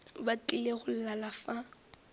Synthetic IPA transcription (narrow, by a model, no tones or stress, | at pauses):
bat͡ɬʼɪleɣʊl̩lalafa